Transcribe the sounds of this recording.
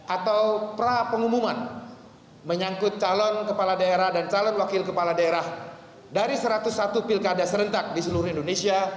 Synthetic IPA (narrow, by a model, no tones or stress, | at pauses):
ʔat̪awpəɾapəŋumuman | məɲaŋkʊt̪̚t͡ʃalɔnkəpaladaeɾahdant͡ʃalɔnwakɪlkəpaladaeɾah | daɾisəɾat̪usːat̪upilkadasəɾənt̪ak̚disəluɾuhindonesia